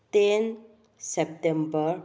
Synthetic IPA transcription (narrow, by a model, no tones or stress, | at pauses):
t̪en | sep̚ʈembəɾ